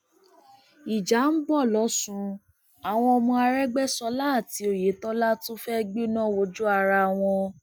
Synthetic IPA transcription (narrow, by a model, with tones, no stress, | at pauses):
i˨d͡ʒa˨˦n̩˦bɔ˦˨lɔ˨˦sũ˧ | a˨w̃ɔ̃˧o˧mɔ̃˧a˧ɾɛ˦ɡ͡bɛ˦sɔ˧la˦˨ti˧˦o˨je˨˦tɔ˦la˦tũ˦fɛ˦˧ɡ͡bi˦nã˦˨wo˧d͡ʒu˦a˧ɾa˧˨w̃ɔ̃˧